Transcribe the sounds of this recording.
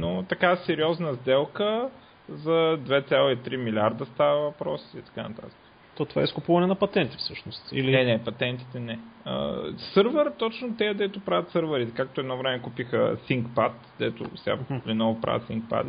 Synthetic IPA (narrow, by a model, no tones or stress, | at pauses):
not̪ɐkasɛɾiɔznəzd̪ɛlˠkə | zɐd̪vɛt̪sʲjalˠoit̪ɾimilʲiaɾd̪əst̪avəvɐpɾɔ̰si̥it̪ɐ̥kanɐ̰t̪a̰t̪ə̥kə | t̪ɔt̪ova̰ɛiskʊpuvɐnɛnɐpɐt̪ɛnt̪i̥fsɤʃnost̪ḭlinɛnɛpɐt̪ɛnt̪i̥t̪ɛnɛə̰sɤɾvəɾt̪ɔt͡ʃnot̪ɛɐd̪ɛt̪ʊpɾavɐt̪sɤɾvəɾit̪ɛkak̚t̪oɛd̪nɔvɾɛmɛkupixə̰siŋkpat̪d̪ɛ̰t̪ʊ̰sɛa̰linɔvʊpɾa̰və̰t̪sḭŋk̚pa̰d̪